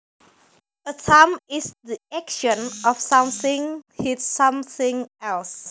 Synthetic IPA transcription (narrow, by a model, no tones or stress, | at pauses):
ətʰamɪsdiɛkʃə̃nɔfsãmθɪ̃ŋhitsãmθɪ̃ŋɛls